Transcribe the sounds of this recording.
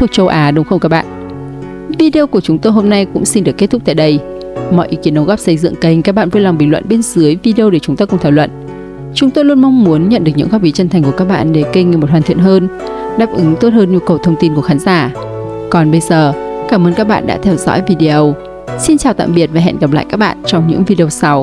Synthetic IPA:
t̪ʰək̚t͡ɕə˧wʔaː˨˦ɗʊ˨˦ŋ͡mxə˧wŋ͡mkaː˦˥k̚ɓa̰ː˧˨n | vi˧ɗi˧o˧ku˧˩ət͡ɕʊ˨˦ŋ͡mt̪o˧jɦo˧mna˧jkʊ̰˧˥ŋ͡msi˧nɗɨ˨˩əkːt̚t̪ʊ˦˥k͡p̚t̪a̰ː˧˨jɗə˧j | mɔ̰˧˨jʔi˨˦ki˨˦ənɗə˨˦wɣɔː˦˥p̚sə˧jzɨ̰˧˨ŋkə˧˩jŋ̟kaː˦˥k̚ɓa̰ː˧˨nvo˧˦jla˨˩ŋ͡mɓï˧˨ŋ̟lwə̰˧˨nɓe˧nzɨ˨˦əjvi˧ɗi˧ə˧ɗe˧˩t͡ɕʊ˨˦ŋ͡mt̪aː˧kʊ˧˩ŋ͡mt̪ʰaː˧˩wlwə̰˧˨n | t͡ɕʊ˨˦ŋ͡mt̪o˧jlu˧ənma˧wŋ͡mmu˨˦ənɲə̰˧˨nɗɨ˨˩ək̚ɲɨ̰˧˥ŋfaː˦˥k̚ɓi˨˦t͡ɕə˧nt̪ʰa˨˩jŋ̟ku˧˩əkaː˦˥k̚ɓa̰ː˧˨nɗe˧˩kə˧ŋi˨m˨˩t̚haː˨˩nt̪ʰi˧˨ənɦəː˧nɗaː˦˥p̚ʔɨ˨˦ŋt̪o˦˥t̚həː˧nɲu˧kə˨˩wt̪ʰə˧wŋ͡mt̪i˧nku˧˩əxaː˨˦nzaː˧˩ | kɔ˨˩nɓə˧jzəː˨˩kaː˧˩mʔəː˧nkaː˦˥k̚ɓa̰ː˧˨nɗa̰ː˧˥t̪ʰɛ˧wzɔ̰˧˥jvi˧ɗi˧ʔə˧w | si˧nt͡ɕaː˨˩wt̪a̰ː˧˨mɓi˨˩ət̚vaː˨˩ɛ̰˧˨nɣə˨˩p̚la̰ː˧˨jkaː˦˥k̚ɓa̰ː˧˨nt͡ɕɔ˧wŋ͡mɲɨ̰˧˥ŋvi˧ɗi˧ə˧wsa˧w

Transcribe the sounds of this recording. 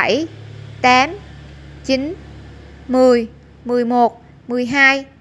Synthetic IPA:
jt̪aː˨˦mt͡ɕi˨˦n | mɨ˨˩əj | mɨ˨˩əjmo˨˩t̚ | mɨ˨˩əjɦaː˧j

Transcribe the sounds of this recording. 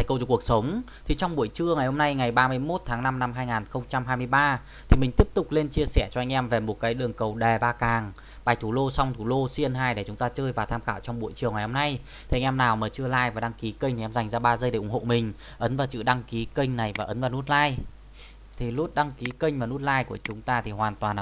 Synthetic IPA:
a˨˦jkə˧wt͡ɕɔ˧ku˨˩ək̚sə˨˦wŋ͡m | t̪ʰi˨˩t͡ɕɔ˧wŋ͡mɓu˧˨əjt͡ɕɨ˧əŋa˨˩jho˧mna˧jŋa˨˩jɓaː˧mɨ˧əjmo˦˥t̚t̪ʰaː˨˦ŋna˧mna˧mɦaː˧jŋaː˨˩nxə˧wŋ͡mt͡ɕa˧mɦaː˧jmɨ˧əjɓaː˧ | t̪ʰi˨˩mï˨˩ŋ̟t̪i˦˥əp̚t̪ʊ˨˩k͡p̚le˧nt͡ɕi˧əsɛ˧˩t͡ɕɔ˧a˧jŋ̟ʔɛ˧mve˨˩mo˨˩t̚kaː˨˦jɗɨ˨˩əŋkə˨˩wɗe˨˩ɓaː˧kaː˨˩ŋ | ɓaː˨˩jt̪ʰu˧˩lo˧swŋ͡mt̪ʰu˧˩lo˧si˧ənɦaː˧jɗe˧˩t͡ɕʊ˨˦ŋ͡mt̪aː˧t͡ɕəː˧jvaː˨˩t̪ʰaː˧mxaː˧˩wt͡ɕɔ˧ŋ͡mɓṵ˧˩əjt͡ɕəwŋa˨˩jho˧mna˧j | t̪ʰi˨˧ŋ̟ʔɛ˧mnaː˨˩wməː˨˩t͡ɕɨ˧əlaː˧˩jvaː˨˩ɗa˧ŋki˨˦kə˧ŋ̟t̪ʰi˨ʔɛ˧mza˨˩jŋ̟zaː˧ɓaː˧zə˧jɗe˧˩ʔʊ˧˩ŋ͡mho̰˧˨mï˨˩ŋ̟ | ʔə˨˦nvaː˨˩wt͡ɕɨ̰˧˨ɗa˧ŋki˨˦kə˧ŋ̟na˨˩jvaː˨˩ʔə˨˦nvaː˨˩nu˦˥t̚laː˧j | t̪ʰi˨˩lu˦˥t̚ɗa˧ŋki˨˦kə˧jŋ̟mvaː˨˩nu˦˥t̚laː˧jku˧˩ət͡ɕʊ˨˦ŋ͡mt̪aː˧t̪ʰi˨˩hwaː˨˩nt̪waː˨˩n˨

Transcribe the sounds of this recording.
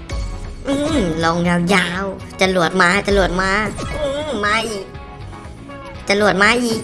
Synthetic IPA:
ʔɯː˧˩mlɔː˧ŋjaː˧˩wjaː˧w | t͡ɕa˧lu˨˩ət̪̚maː˧˥t̪a˧lu˨˩ət̪̚maː˧˥ʔɯː˧maː˧˥˩iː˨˩k̚ | t̪a˧˦lu˨˩ət̪̚maː˧˥˧ʔiː˨˩k̚

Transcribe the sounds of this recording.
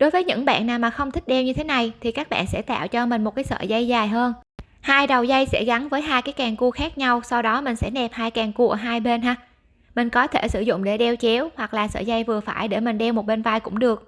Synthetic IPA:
ɗo˨˦jvəː˨˦jɲɨ̰˧˥ŋɓa̰ː˧˨nːaː˨˩wmaː˨˩xə˧wŋ͡mt̪ʰï˦˥k̟̚ɗɛ˧wɲɨ˧t̪ʰe˨˦na˨˩jt̪ʰi˨˩kaː˦˥k̚ɓa̰ː˧˨nsɛ̰˧˥t̪a̰ː˧˨wt͡ɕɔ˧mï˨˩ŋ̟mo˨˩kaː˨˦sə̰ː˧˨za˧jzaː˨˩jɦəː˧n | haː˧jɗə˨˩wzə˧jsɛ̰˧˥ɣa˨˦nvəː˨˦jɦaː˧jkaː˨˦jkɛː˨˩ŋku˧xaː˦˥k̚ɲa˧wsa˧wɗɔ˨˦mï˨˩ŋ̟sɛ̰˧˥nɛ˨˩p̚haː˧jkɛ˨˩ŋku˧ə˧˨˩ɦaː˧jɓe˧nɦaː˧ | mï˨˩ŋ̟kɔ˨˦t̪ʰe˧˩sɨ˧˩zʊ̰˧˨ŋ͡mɗe˧˩ɗɛ˧wt͡ɕi˨˦əwhwa˨˩k̚laː˨˩sə̰ː˧˨˩za˧jvɨ˨˩əfaː˧˩jɗḛ˧˩mï˨˩ŋ̟ɗɛ˧wmo˨˩t̚ɓe˧nva˧jkʊ̰˧˥ŋ͡mɗɨ˨˩ək̚

